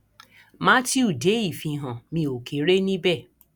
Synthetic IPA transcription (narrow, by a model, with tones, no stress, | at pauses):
mã˦ti˦u˦˨de˨˦i˦˨fĩ˧ɦã˨mĩ˧o˨kʰe˨˦ɾe˦nĩ˦bɛ˦˨